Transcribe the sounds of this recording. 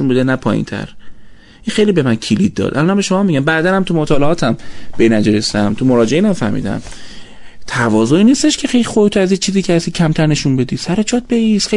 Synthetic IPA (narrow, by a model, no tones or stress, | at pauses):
unbud̪enæpʰɒ̰ːjḭnt̪ʰæ̰ɾ | ʔixe̞jliːbemæncʰilid̪̚ːɒ̰ːd̪ʔæ̰lɒːnhæmbeʃo̞mɒːmːiɟæmbæːd̪ænæmt̪ʰumot̪ʰɒːleɒːt̪ʰæmb̥enæd͡ʒeɾesæmt̪ʰumoɾɒːd͡ʒeʔiːnæmfæ̰hmḭd̪æ̰m | t̪ʰævɒːzoiːniːst̪e̞ʃkʰexejlixobet̪ʰoæzjet͡ʃʰiːziːcʰehæsicʰæmt̪ʰæɾne̞ʃunbe̞d̪iːsæɾet͡ʃʰɒt̪̚beisxe